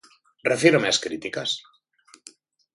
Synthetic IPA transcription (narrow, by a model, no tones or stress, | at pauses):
refieɾomeaskɾit̪ikas